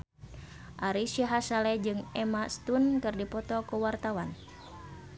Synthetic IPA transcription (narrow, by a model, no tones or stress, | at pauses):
ʔaɾisiɦasalɛd͡ʒɨŋɛmast̪unkɨrdipɔt̪ɔkuwart̪awan